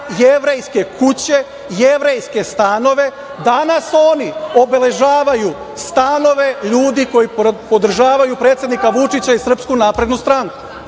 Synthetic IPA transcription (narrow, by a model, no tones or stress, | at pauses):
jeʋɾe̞jske̞kʰut͡ɕe̞ | jeʋɾe̞jske̞st̪ano̞ʋe̞ | d̪anaso̞ːnio̞be̞le̞ʒaːʋaju | st̪ano̞ʋe̞ʎuːd̪iko̞jipo̞d̪r̩ʒaːʋajupɾet̪sʲjed̪nikaʋut͡ʃit͡ɕaisr̩pskunaːpɾe̞d̪nust̪ɾaŋku̥